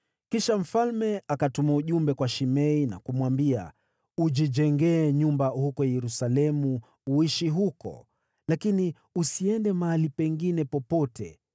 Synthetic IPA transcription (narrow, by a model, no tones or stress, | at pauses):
kiʃam̩falmɛakatumauʄumbɛkwaʃimɛina̰kumwambia̰ | ud͡ʒid͡ʒɛŋɡɛːɲumbahukɔjɛɾusalɛmuː | iʃiɦukɔ̰ | lakini | usiɛndɛmaalipɛŋɡinɛpɔpɔtʰɛ̰